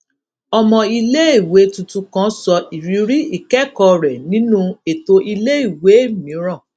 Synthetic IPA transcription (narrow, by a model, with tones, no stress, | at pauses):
ɔ˧mɔ̃˧i˧le˦i˦˨we˨˦tũ˧tũ˧kã˦sɔ˧ʔi˨ɾi˨˧ɾi˦i˦˨kɛ˦kɔ˧ɾɛ˨nĩ˦nũ˦e˨to˧ʔi˧le˦i˦˨we˨˦˨mĩ˨˦ɾ̃ã˦˨